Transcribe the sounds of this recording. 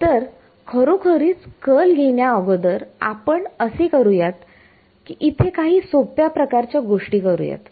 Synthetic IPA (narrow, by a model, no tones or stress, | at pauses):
t̪əɾ | kʰəɾokʰəɾiːt͡skəlɡʱeɳjaəʋəd̪əɾa̰pəɳəsekəɾujat̪ | kiʔit̪ʰekaɦiːsopjapɾəkaɾt͡ɕjaɡoʂʈiːkəɾṵja̰t̪